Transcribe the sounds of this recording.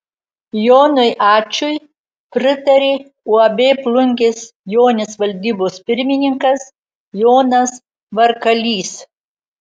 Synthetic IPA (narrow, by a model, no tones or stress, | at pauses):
joːnʊjʔɑːt͡ʃʲʊj | pʲɾʲɪt̪ɐɾʲeː | uɐbʲeːplˠʊŋʲkʲɪsjoːnʲɪsʋɐlʲd̪ʲiːboːspʲɪɾʲmʲɪnʲɪŋkɐs | joːnɐs | ʋɐɾkɐlʲiːs